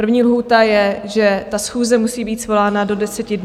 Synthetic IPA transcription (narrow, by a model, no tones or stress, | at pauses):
r̩vɲiːlɦuːt̪ajɛʒɛt̪asxuːzɛmusiːbiːt̪svo̞laːnado̞dɛsɛcɪdn